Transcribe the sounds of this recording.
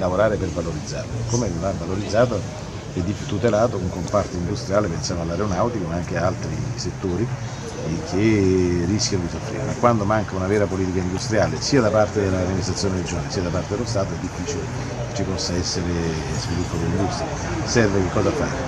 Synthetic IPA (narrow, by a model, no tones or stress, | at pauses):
lavoɾaːɾepervaloɾid̪zːa̰ːrlokomevavːaloɾid̪zːaːt̪̬o | ɛd̪ːifut̪ːut̪elaːt̪okuŋkompart̪oind̪ust̪ɾijaːlepensjaːnoalːaɾeonawt̪ikomaaŋk̟eaalt̪ɾiset̪ːoːɾi | kʰerːiskʲjanod̪isofːɾḭɾemakːwand̪omaŋkaunavɛːɾapoliːt̪ikaind̪ust̪ɾijaːlesiːad̪apart̪ed̪elːaamːinist̪ɾat̪sjoneɾed͡ʒoːnlesiːad̪apart̪ed̪elost̪aːt̪oɛd̪ːifːiːt͡ʃile | kt͡ʃːipɔsːaɛsːeɾezvilupːokelind̪ust̪ɾia | sɛrvek̟ekːɔːzafa̰ɾe